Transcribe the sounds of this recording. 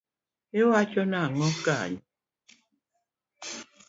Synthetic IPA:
ewat͡ʃɔnaŋɔka̰ɲ

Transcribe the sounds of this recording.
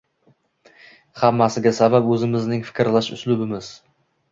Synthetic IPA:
hamːasɪɡʲasabapɵzɪmɪznɪŋfɪ̥kʲɾlaʃʊ̰slʊbɪmɪz

